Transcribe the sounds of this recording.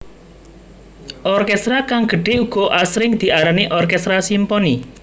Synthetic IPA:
ɔrkɛst̪ɾakaŋɡ̥ə̤ɖ̥e̤uɡ̥ɔ̤ʔasɾɪŋd̪̥i̤ʔaɾaniʔɔrkɛst̪ɾasimpɔni

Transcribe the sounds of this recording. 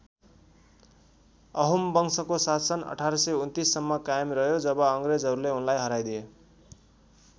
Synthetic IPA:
ʌɦumbʌŋsʌkosat̪ʰsʌnʌ̰ʈʰaɾʌsʌjunt̪isːʌmːʌkajmrʌɦjod͡zʌbʌʌŋred͡zʌɾuleunlajɦʌɾajd̪ije

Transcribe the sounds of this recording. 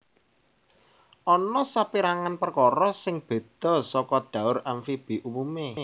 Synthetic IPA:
ʔɔnɔsapiɾaŋanpərkɔɾɔsɪŋb̥e̤d̪̥ɔ̤sɔkɔd̪̥ä̤ʊɾanfib̥i̤ʔumume

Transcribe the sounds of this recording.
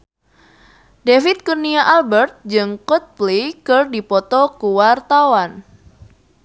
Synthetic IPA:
defit̪̚kurniaʔalbərt̪̚d͡ʒɨŋkɔt̪̚plikərdipɔt̪ɔkuwart̪awan

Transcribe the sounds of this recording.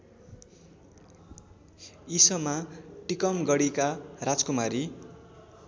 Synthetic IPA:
isʌmaʈikʌmɡʌɽikarad͡zkumaɾi

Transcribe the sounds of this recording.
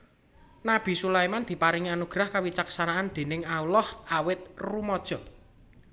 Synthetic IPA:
nab̥i̤sulaimand̪̥i̤paɾiŋianuɡ̥ɾahkawit͡ʃaksanaand̪̥e̤nɪŋaulɔhawɪt̪̚rumɔd̥ʒ̥ɔ̤

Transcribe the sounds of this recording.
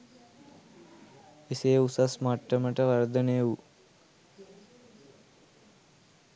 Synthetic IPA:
eseːusasmaʈːəməʈəʋaɾd̪əneːʋu

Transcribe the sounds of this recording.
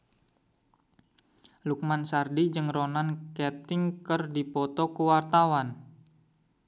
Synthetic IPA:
luk̚mansardid͡ʒɨŋronankɛt̪ɪŋkərdipɔt̪ɔkəwart̪awan

